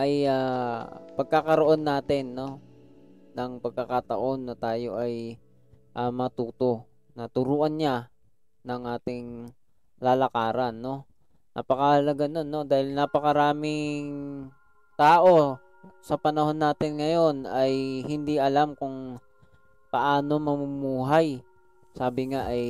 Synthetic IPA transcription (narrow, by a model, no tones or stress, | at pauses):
ʔɐjaːpɐɡ̚kakɐɾoʔo̞nːaːt̪ɪnːo̞ | nɐŋpɐɡ̚kɐkat̪ɐ̰ʔo̞nːɐt̪aːjo̞̰ʔɐj | ʔamːɐŋat̪uːt̪o̞ | nɐt̪ʊɾuːʔɐnɲa | nɐŋʔaːt̪ɪŋ | laːlɐkaːɾanːo̞ | nʔɐ̰pɐkahɐlɐɡanonːo̞d̪aːhɪlnapɐkɐɾaːmɪŋŋ | t̪aːʔo̞ | sɐpɐnɐho̞nːaːt̪ɪnŋɐjo̞nɐjhɪnd̪iʔɐlamkʊŋ | pɐʔaːno̞mɐmʊmuːɦaj | saːbɪŋaʔɐj